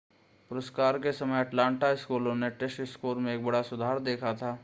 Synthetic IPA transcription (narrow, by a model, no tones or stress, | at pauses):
pʊɾəskaːɾkesɐməjɐʈlãːɳʈaɪskuːlõneʈeʃɪskuːɾmẽeːk̚bɐɽasʊd̪ʱaːɾd̪eːkʰat̪ʰaː